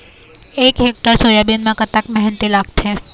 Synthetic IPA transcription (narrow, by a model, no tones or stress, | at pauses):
ekɦek̚ʈəɾsojabinmãkət̪akmɛɦɛnt̪ilaɡ̚t̪ʰe